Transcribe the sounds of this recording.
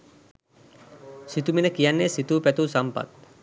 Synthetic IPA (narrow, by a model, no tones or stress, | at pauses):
sit̪uminəkijanːesit̪uːpɛt̪uːsampa̰t̪̚